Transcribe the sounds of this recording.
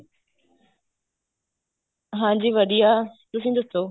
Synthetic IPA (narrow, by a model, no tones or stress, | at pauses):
ɦãːɲd͡ʑiːʋəɗijaːt̪ʊs̬ĩːd̪ɪst̪oː